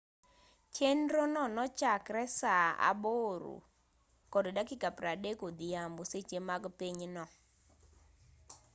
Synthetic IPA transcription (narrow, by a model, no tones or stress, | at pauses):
t͡ʃendɾonɔnɔt͡ʃakɾɛsaa̰boɾṵ | kɔddakɪkapɾadekod̪ijamboset͡ʃemaɡpiɲnɔ